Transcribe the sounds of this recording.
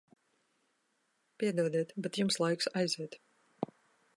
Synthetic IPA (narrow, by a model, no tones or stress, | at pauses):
piɛd̪uɔd̪iɛt̪bɛt̪jumslˠajksajziɛt̪